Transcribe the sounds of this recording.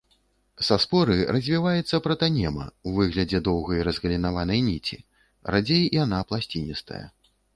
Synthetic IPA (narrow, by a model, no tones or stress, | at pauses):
saspɔɾɨrɐzʲvʲivajɛt̪sːɐpɾɐt̪anʲɛmɐ̰wvɨɣlʲɐd͡zʲɛd̪ɔwɣɐjɾɐzɣɐlʲinavanɐjnʲit͡sʲḭ | rad͡zʲejjanaplˠasʲt͡sʲinʲist̪ɐ̰jɐ̰